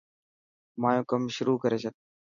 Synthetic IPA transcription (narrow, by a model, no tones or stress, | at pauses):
mãːjõːkəmʃʊɾuːkəɾeːsət̪̚